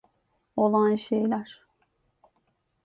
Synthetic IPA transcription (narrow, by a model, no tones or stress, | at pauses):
o̞lˠanʃejlʲæɾ̥